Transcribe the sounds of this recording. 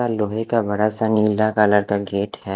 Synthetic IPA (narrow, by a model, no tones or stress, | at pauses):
aloːɦekabɐɽasaniːlːakaːləɾkaɡeːʈhɛː